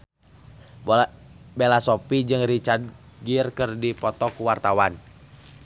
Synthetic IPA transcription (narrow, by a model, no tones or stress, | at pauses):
belasɔpid͡ʒɨŋrit͡ʃard̪̚ɡirkɨrdipɔt̪ɔkuwart̪awan